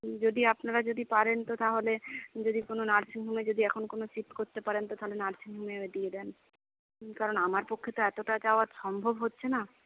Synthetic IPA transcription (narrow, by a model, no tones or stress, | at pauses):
d͡ʑod̪iapnaɾad͡ʑod̪ipaɾent̪ot̪aɦoled͡ʑod̪ikononaɾsiŋɦumed͡ʑod̪iɛkʰonkonosiʈkoɾt̪epaɾent̪ot̪aɦolenaɾsiŋɦumeed̪ied̪ɛn | kaɾonamaɾpokʰːet̪oɛt̪oʈat͡ɕaoaɾʃɔmbʱobɦotːɕʰena